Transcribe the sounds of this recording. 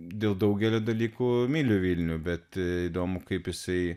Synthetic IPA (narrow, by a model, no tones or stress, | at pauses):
d̪ʲeːlˠd̪ɐʊɡʲɛlʲoːd̪ɐlʲiːkuːmʲiːlʲuːʋʲiːlʲnʲuːbʲɛt̪iːd̪oːmʊkɐɪpjɪsɐɪ